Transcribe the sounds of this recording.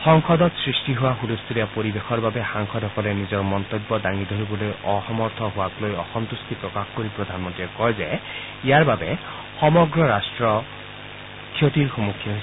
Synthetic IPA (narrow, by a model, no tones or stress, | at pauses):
xɔŋkɔd̪ɔt̪sɹisʈiɦowaɦulust̪ʰuɾijapoɾibexʰɔɹbabexaŋkʰɔd̪ɦɔkɔlenizɔɹmɔnt̪ɔbːɔd̪aŋid̪ʱoɾibɔlojɔxɔmɔɾt̪ʰɔɦoaklojɔxɔnt̪ust̪ʰipɾɔkaxkoɾipɹod̪ʱanmɔnt̪iekɔjzej | ijaɹbabe | xɔmɔɡɾɔɾasʈɹɔ | kʰːjot̪iɾxumukʰːjɔɦ